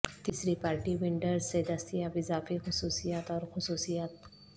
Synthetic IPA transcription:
t̪isɾipaːɾʈiʋɪɳɖəɾzːed̪ɐst̪ijabɪzaːfixʊsuːsijaːt̪ɔːɾxʊsuːsijaːt̪̚

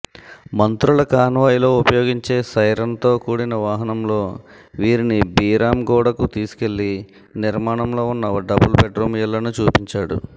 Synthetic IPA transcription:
mɐnt̪ɾuɭɐkaːnʋaːjilo̞ːupɐjo̞ːɡiɲt͡ʃe̞ːsɐjɾɐnt̪o̞ːkuːɽinɐʋaːɦɐnɐmlo̞ː | ʋiːɾinibiːɾaːmɡɔːɽɐkut̪iːsu̥ke̞lːi | niɾmaːɳɐmlo̞ːunːɐɐɖɐbulbeʈɾoːmijɐlɐnut͡ʃuːpiɲt͡ʃaːɽṵ

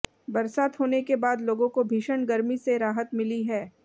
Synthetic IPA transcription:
bɐɾsaːt̪ɦoːnekebaːd̪loːɡõkobʱiːʃəɳɡɐɾmiseɾaːɦət̪mɪliɦɛː

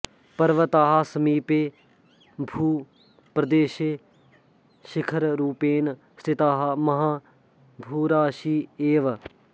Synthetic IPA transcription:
pəɾʋət̪aːɦaːsəmiːpeː | bʱuː | pɾəd̪eːʃeː | ʃɪkʰəɾɾuːpeːn | st̪ɪt̪aːɦaməɦãː | bʱuːɾaːʃiːeːʋ

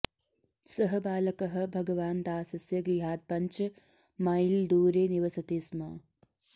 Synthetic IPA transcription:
sɐɦɐbaːlɐkɐɦɐ̆bʱɐɡɐʋaːnd̪aːsɐsjɐɡɾiɦaːd̪̚pɐɲt͡ʃ | mɐjld̪uːɾeːniʋɐsɐt̪eːsmɐː

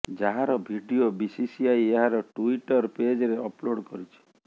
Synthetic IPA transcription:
d͡ʒaɦaɾɔbʱiɖiobisisiajeɦaɾɔʈuiʈɔɾped͡ʒɔɾeɔploɽkɔɾit͡ʃʰi̥

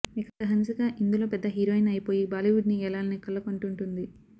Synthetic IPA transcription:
ikɐkːɐɦɐnsɐkaːʔind̪ulo̞ːpɛd̪ːɐɦiːɾoːjinɐjipo̞ːjibaːliʋuɖniɛlaːlɐnikɐlːɐkoɳʈuɳʈund̪i

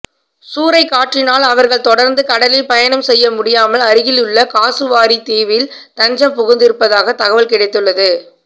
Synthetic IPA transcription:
suːɾɐɪkːaːʈrɪnaːlɐʋɐɾɣɐɭt̪ɔɽɐɾnd̪ɯkɐɽɐlɪpɐjɐnɐmsɛjːɐmʊɽɪjaːmɐlɐɾɯɣɪlʊɭːɐkaːsɯʋaːɾit̪eːʋɪlt̪ɐɲd͡ʒɐmpʊɣʊnd̪ɪɾɯpːɐðaːɣɐt̪ɐɣɐʋɐlkɪɽɐɪt̪ːɯɭːɐðɯ

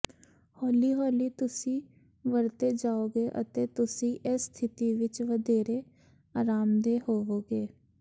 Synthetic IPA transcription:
hɔːliːɦɔːliːt̪ʊsĩː | ʋəɾt̪eːd͡ʒaːoːɡeːʔə̰t̪eːt̪ʊsĩːʔɛst̪ʰɪt̪iːʋɪt͡ʃʋəd̪eːɾeː | aːɾaːmd̪eːhoːoːɡeː

